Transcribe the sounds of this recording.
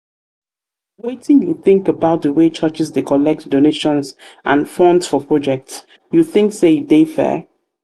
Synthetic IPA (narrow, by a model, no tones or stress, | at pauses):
wetɪ̃ŋjuθɪ̃ŋkəbaʊt̚dəwet͡ʃʰɜt͡ʃɪsdekʰɔlɛk̚tdoneʃɔ̃nsʔãnfɔ̃ndsfɔpʰɹ̥ɔd͡ʒɛk̚ts | juθɪ̃ŋksedefɛ̰